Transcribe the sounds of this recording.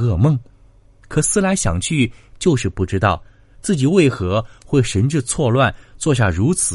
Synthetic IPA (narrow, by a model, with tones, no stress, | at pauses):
ɤ˥˧mɤ˥˩ŋ | kʰɤ˨˩sɹ̩˥la˧˥ɪɕjɑ̰˨˩ŋt͡ɕʰy˥˩t͡ɕjo˥˧ʊʂɻ̩˥˧pu˥˩ʈ͡ʂɻ̩˥t̪ɑ˥˩ʊ | t͡sɹ̩˥˩t͡ɕi˨˩we˥˩ɪxɤ˧˥xwe˥˩ɪʂə˧˥nʈ͡ʂɻ̩˥˧t͡sʰwɔ˥˧lwa˥˧nt͡swɔ˥˧ɕ̬ja̰˥˩ɻu˧˥t͡s̩ʰ˨˩˦